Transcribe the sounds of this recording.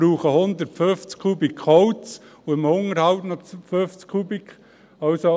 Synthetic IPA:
ɾuːχəhʊnd̪əɾtføft͡skʰːubikʰɔʊt͡s | uɪmʊŋəɾhɑwtnɑtføft͡skʰubik | ɑlso

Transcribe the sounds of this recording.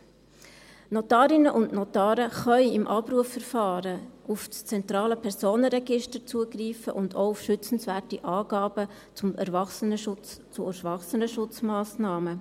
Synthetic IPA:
nɔtɑːɾɪnəʔʊndnɔt̪ɑːɾəχœʏɪmʔɑpɾuəfːɛɾfɑːɾəufst͡sɛnt̪ɾɑːləpʰɛɾsoːnəɾɛɡɪʃtəɾt͡suəɡriːfəʔʊndoʊufʃʏt͡sən̩svæːrtiʔɑːɡ̥ɑːb̥ə | t͡sʊmɛ̰ɾvɑχsənət͡st͡sʊɛɾvɑχsənəʃʊt͡smɑːsnɑːmə

